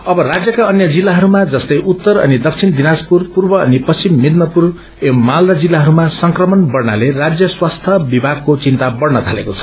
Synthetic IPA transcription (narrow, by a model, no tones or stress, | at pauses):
ʌbʌrad͡zjʌkaʌnjʌd͡zilːaɦʌɾumad͡zʌst̪ʌjʔut̪ːʌɾʌ̰nid̪ʌkt͡sʰind̪inaspurpurbʌʌnipʌst͡simːid̪nʌpur | emald̪ad͡zilːaɦʌɾumasʌŋkrʌmʌnbʌrna̰lerad͡zjʌswast̪ʰʌbibʱaɡ̚kot͡sint̪abʌrnʌt̪ʰalḛkot͡sʰʌ̥